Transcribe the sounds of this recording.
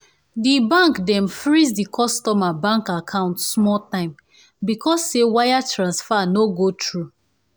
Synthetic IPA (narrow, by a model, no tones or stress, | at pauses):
dibãŋkdɛ̃mfɹizdikʰɔstɔmabãŋkakʰãʊ̃ntsmɔltãɪ̃m | bikʰɔsːewajatɹãnsfanoɡotʰɹu